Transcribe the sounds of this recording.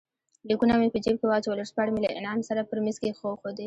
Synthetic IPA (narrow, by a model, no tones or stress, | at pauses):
likunamepəd͡ʒeb̚kewɑt͡ʃwaləɾspɑɽmelaʔɪ̰nɑmsaɾapəɾmɪzkexoxod̪e